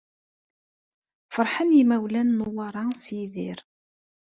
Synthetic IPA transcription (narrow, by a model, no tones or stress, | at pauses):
fəɾˤħənjimæwlænːʊwɑɾˤɑsjiðɪɾ